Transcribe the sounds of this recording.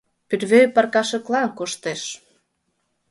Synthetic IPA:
pyɾβøpɑrkɑʃɤ̆klɑnkoʃt̪eʃ

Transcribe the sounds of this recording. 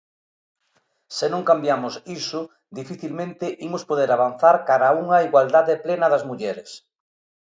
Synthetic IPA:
sɪnõŋkambjamʊsisʊ | d̪ifiθilmẽnt̪ɪʔimospoðeɾaβanθaɾkaɾauŋɐiɣwald̪aðɪplenɐðɐzmuʎɛɾɪs

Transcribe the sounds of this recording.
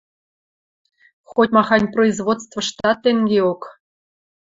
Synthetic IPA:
xotʲmɑxɑnʲproizβot̪st̪və̆ʃt̪ɑt̪ːeŋɡeok

